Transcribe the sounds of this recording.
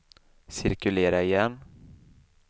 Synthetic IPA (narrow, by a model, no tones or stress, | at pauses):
sɪɾkɵleːɾaɪjɛnː